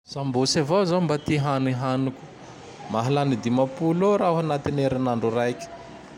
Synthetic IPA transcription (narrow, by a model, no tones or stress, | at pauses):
z̥ambosavowzambat̪iɦaniɦanukʲu̥ | maɦalanid̪imapuloɾaɦanat̪ineɾanaɳɖ͡ʐurajkʲi̥